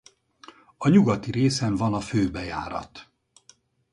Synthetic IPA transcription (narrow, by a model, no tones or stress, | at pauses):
ɒɲuɡɒt̪iɾeːsɛɱvɒnɒføːbɛja̰ːɾɒ̰t̪